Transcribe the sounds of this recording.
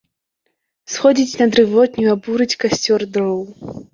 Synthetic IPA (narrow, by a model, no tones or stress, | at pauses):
sxɔd͡zʲit͡sʲnɐd̪ɾɨvɔt̪nʲuabuɾɨt͡sʲkasʲt͡sʲɔrd̪ɾɔw